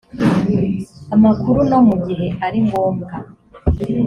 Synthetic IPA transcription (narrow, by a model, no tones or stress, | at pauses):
amakuɾuno̞muɡiɦe̞ʔaɾiŋɡoːŋɡa